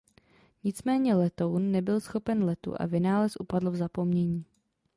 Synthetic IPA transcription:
ɲɪt͡smɛːɲɛlɛt̪ownːɛbɪlsxo̞pɛnlɛt̪ṵʔa̰vɪnaːlɛsʔupadl̩vzapo̞mɲɛɲiː

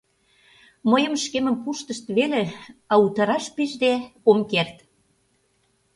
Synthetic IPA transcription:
məjə̆mʃkemə̆mpuʃt̪ə̆ʃt̪βeleɑut̪ɑɾɑʃpiʒd̪eomkert̪

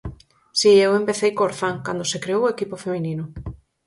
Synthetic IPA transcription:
siewempeθejkoɾθaŋkand̪osekɾeowekipofemĩnĩnʊ

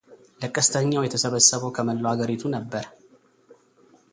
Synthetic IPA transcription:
ləkʼːəst̪ʰəɲːawjɛt̪ʰəsəβəsːəβəwkʰəməlːoaɡəɾit̪ʰunəbːəɾ

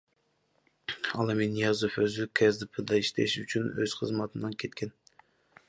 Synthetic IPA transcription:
ɑ̰lˠeminijɑzuføzykʲʰɛzd̪ɨpʰɨd̪ɑiʃt̪ʰḛʃyt͡ʃʰynøz̥qʰəzmɑt̪ʰɨnd̪ɨnkʲʰet̪̚kʲʰɛn

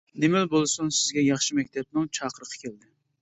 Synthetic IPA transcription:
nemɪlbolˠɨsunsɪzɡʲɛjɑχʃimɛkʲt̪ʰɛp̚nɪŋt͡ʃʰɑːqəɾəqʰɑ̥kʲʰeld̪ɪ

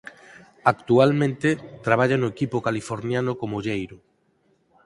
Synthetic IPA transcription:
akt̪ualmẽnt̪et̪ɾaβ̞aʎanʊekipʊkalifoɾnjanʊkomoʎejɾʊ

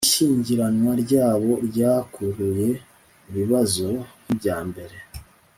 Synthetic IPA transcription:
iʃiːɲɟiɾanwaɾɟaːβo̞ɾɟaːkʰuɾuje̞ | iβiβazo̞nibɟaːmbe̞ɾe̞

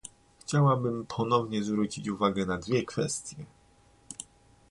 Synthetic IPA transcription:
xt͡ɕawabɘmpʰɔnɔvɲɛzvɾut͡ɕit͡ɕuvaɡɛnad̪vʲjɛkfɛst̪ʲjɛ

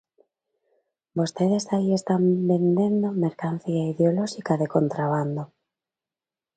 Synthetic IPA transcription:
bost̪eð̞esaiest̪ambe̞nd̪e̞nd̪omeɾkanθiaiðeoloʃikaðekont̪ɾaβ̞and̪o

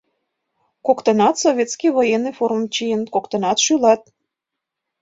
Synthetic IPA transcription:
kokt̪ɤnɑt̪sovʲet̪skijβojenːifoɾumt͡ɕijənkokt̪ɤ̆nɑt̪ʃylɑt̪̚

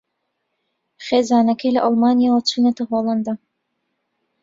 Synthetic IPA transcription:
χeːzaːnɐkʰɐjlɐʔɑlˠmaːnijaːwɐt͡ʃʰuːnɐt̪ɐɦoːlˠɑnd̪a

